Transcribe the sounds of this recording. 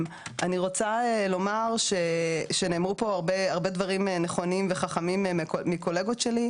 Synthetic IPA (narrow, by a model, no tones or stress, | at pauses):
m | ʔaniʁo̞t͡saelo̞maʁʃeʃene̞ːmʁupo̞aʁbeaʁbe̞dvaʁimneχo̞nimve̞χaχamimkomiko̞le̞ɡo̞tʃe̞li